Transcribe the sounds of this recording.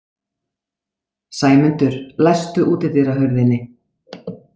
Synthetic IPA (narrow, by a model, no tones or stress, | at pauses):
saːjmʏnt̪ʏɾ̥lajst̪ʏʔuːt̪ɪθɪɾaɦœɾðɪnːɪ